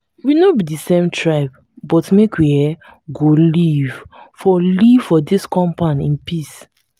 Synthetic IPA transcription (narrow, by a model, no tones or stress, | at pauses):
winobidisẽmtʰɹaɪp | bɔtmekwiɛ | ɡolivfɔliv̥fɔdiskɔ̃mpãnĩnpis